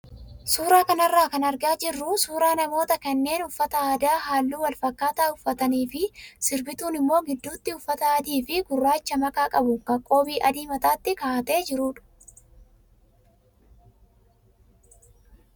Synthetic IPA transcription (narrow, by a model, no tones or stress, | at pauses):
suːɾaːkɐnɐrːaːkɐnɐɾɡaːd͡ʒɪrːʊsuːɾaːnɐmo̞ːt̪ɐkɐnːe̞ːnʊfːɐt̪ɐaːd̪aːɦaːlːuːwɐlfɐkːaːt̪aːʊfːɐt̪ɐniːfɪsɪɾbɪt̪uːnɪmːo̞ːɡɪd̪ːuːt̪ːɪʊfːɐt̪ɐɐd̪iːfɪɡʊrːaːt͡ʃːɐmɐkʼaːkʼɐbʊkɐkʼo̞ːbiːʔɐd̪iːmɐt̪aːt̪ːɪkaːʔt̪e̞ːd͡ʒɪɾuːᶑʊ̥